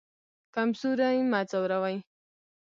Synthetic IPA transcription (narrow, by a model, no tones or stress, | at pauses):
kamsuɾajmat͡sawɾawaj